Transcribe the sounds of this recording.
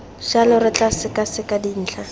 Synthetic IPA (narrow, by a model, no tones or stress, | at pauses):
ʃalɔrɪt͡ɬʼasɪkʼasɪkʼadin̩ːt͡ɬʰa